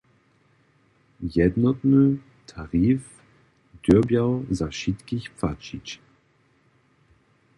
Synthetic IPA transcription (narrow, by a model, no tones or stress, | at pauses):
jɛd̪nɔt̪nu | t̪ʰaʁiːf | d̪̥øbjawzaʃit̪kiçpfat͡ʃit͡ʃ